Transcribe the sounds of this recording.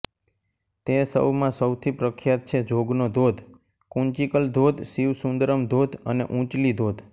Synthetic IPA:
t̪esə̰wmãsəwt̪ʰipɾəkʰjat̪̚t͡ʃʰed͡ʒʱoɡnod̪ʱod̪ʱ | kũnt͡ʃikəld̪ʱod̪siʋsũnd̪ɾəmd̪ʱod̪ʱənḛʔũt͡ʃlid̪ʱod̪ʱ

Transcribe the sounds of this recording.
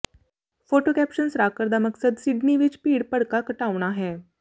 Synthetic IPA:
foʈokæpɕənsɾakəɾd̪aməksəd̪siɖniʋit͡ɕpiːɽpəɽkakəʈaʋɳ̃aɦẽ

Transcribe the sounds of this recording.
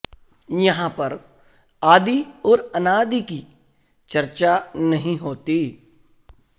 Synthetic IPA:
jɐɦãpɐɾ | aːd̪iɔːɾɐnaːd̪iki | t͡ʃɐɾt͡ʃanɐɦĩɦoːt̪iː

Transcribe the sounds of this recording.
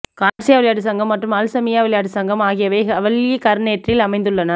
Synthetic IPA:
kaːʈsijaːʋɪɭɐjaːɽɯsɐŋɡɐmːɐʈrɯmɐlsɐmɪjaːʋɪɭɐjaːɽɯsɐŋɡɐmaːɣɪjɐʋeːɐʋɐɭjekɐɾneːʈrɪjɪlɐmɐɪnd̪ɯɭːɐnɐ

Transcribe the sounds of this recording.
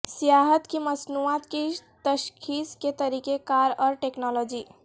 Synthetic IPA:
sjaɦət̪kiməsnuat̪kit̪əʃkʰisket̪əɾikekaɾɔɾʈeknɔlod͡ʒi

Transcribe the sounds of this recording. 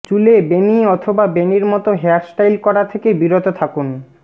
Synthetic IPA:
t͡ɕulebeniɔt̪ʰobabeniɾmɔt̪oɦeaɾsʈajlkɔɾat̪ʰekebiɾot̪ot̪ʰakuni

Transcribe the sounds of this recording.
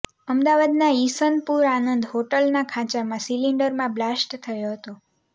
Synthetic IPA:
əmd̪aʋad̪naisənpuɾanənd̪ɦoʈəlnakʰãt͡ʃamãsiliɳɖəɾmãblasʈt̪ʰəjoɦət̪o

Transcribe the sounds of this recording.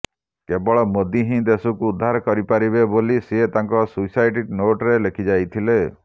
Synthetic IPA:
kebɔɭɔmod̪iɦĩd̪esukuːd̪ʱːaɾɔkɔɾipaɾiβebolisiet̪aŋkɔsusajʈiʈnoʈɾelekʰid͡ʒajt̪ʰile

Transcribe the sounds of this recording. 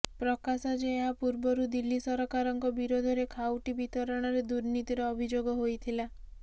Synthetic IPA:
pɾɔkasad͡ʒeːɦapuɾbɔɾud̪ilːisɔɾɔkaɾɔŋkɔbiɾod̪ʱɔɾekʰawʈibit̪ɔɾɔɽ̃ɔɾed̪uɾnit̪iɾɔːbʱid͡ʒoɡɔɦojt̪ʰila

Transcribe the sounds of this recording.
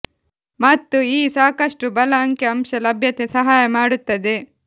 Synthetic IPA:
mɐt̪ːuiːsaːkɐʂʈubɐlɐɐŋkjɐɐmʃɐlɐbʱjɐt̪esɐɦaːjɐmaːɽut̪ːɐd̪e

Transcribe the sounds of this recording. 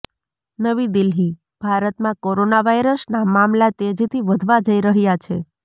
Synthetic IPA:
nəʋid̪ɪlɦi | b̥ʱaɾət̪mãkoɾonaʋajɾəsnamamlat̪ed͡ʒit̪ʰiʋəd̪ʱʋad͡ʒəiɾəɦjat͡ʃʰe

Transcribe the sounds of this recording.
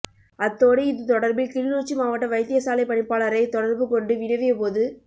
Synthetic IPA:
ʔɐt̪ːoːɽɐɪðɯt̪ɔɽɐɾbɪlkɪɽɪnoːt͡ʃːimaːʋɐʈːɐʋɐɪt̪ːɪjɐsaːlɐɪpɐɳɪpːaːlɐɾɐɪt̪ɔɽɐɾbɯkɔɳɖɯʋɪnɐʋɪjɐpoːðɯ

